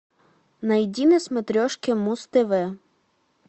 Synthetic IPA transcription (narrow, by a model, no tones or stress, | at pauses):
nɐjdʲinɪsmet̪ɾʲɔʃkɪmust̪ɪʋɪ